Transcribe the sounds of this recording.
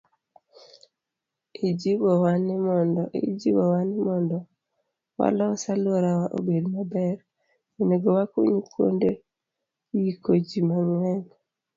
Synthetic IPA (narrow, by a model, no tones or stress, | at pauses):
id͡ʒibɔwanɪmɔndɔʔḛd͡ʒibɔwanɪmɔndɔ | wa̰lɔsaloɾawaʔo̰bedmabɛɾ | eneɡɔwakuɲukwo̰nde | jikod͡ʒimaŋwɛn